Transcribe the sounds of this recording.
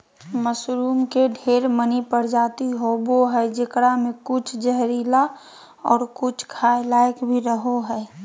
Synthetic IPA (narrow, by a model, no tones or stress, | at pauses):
məsɾuːmkeɖʱeːɾmənipəɽd͡ʒaːt̪iɦoboɦɛd͡ʒɪkɽamẽkʊt͡ʃʰd͡ʒəɦɾiːla | ɔ̰ːɾkʊt͡ʃʰkʰaːjlaːɪkbʱiɾəɦoɦɛː